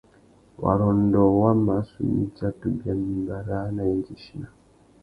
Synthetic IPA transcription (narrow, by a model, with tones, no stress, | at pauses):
wa̰˨ɾo˨ndɔ˨wa˦ma˨˦sṵ˨ɲḭ˦t͡ʃa˦tu˨bja˨mi˨mba˨ɾa˦na˨ji˦nd͡ʒi˨ʃi˦na˨